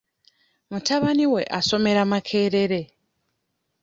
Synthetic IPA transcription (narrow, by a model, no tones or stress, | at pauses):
mutaβaniwe̞ʔaso̞me̞ɾamakʰe̞ːɾe̞ɾe̞